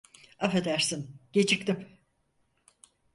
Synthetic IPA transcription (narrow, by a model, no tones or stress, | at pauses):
afed̪æɾsinɟ̥e̞t͡ʃʰik̚t̪im